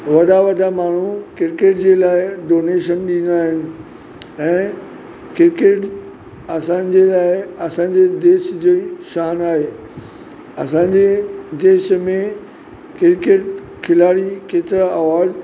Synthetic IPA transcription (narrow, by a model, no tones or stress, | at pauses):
ʋɐɗaʋɐɗamaːɳ̤ukɪɾkeːʈd͡ʑeːlaːɪɖoːneːʃənɗĩn̆d̪aːɦɪnɪ̆ | ɛ̃ː | kɪɾkeːʈ | ɐsã̆ːd͡ʑeːlaːɪɐsãːɲ̆d͡ʑed̪eːʃd͡ʑoːʃaːnaːɦeː | ɐsãːɲ̆d͡ʑed̪eːʃmẽ | kɪɾkeːʈ | kʰɪlaːɽikeːt̪ɪɾaʔɐʋaːd͡ʑ